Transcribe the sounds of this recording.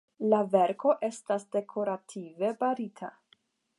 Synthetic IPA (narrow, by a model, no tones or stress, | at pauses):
lave̞ɾkʰo̞ʔe̞stasde̞kʰo̞ɾatʰive̞baɾitʰa̰